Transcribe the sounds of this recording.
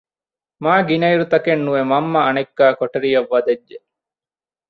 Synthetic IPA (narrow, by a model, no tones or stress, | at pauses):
maːɡinɐiɾut̪ɐkenːuʋemɐmːɐːnekːaːkoʈeɾijɐʋːɐd̪ed͡ʒd͡ʒe